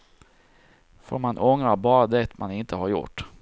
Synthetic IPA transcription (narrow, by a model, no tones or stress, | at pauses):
fo̰ːɾmanʔɔŋɾabɑːɾad̪ɛt̪manɪnt̪ʰəhaɾjʊ̰ʈː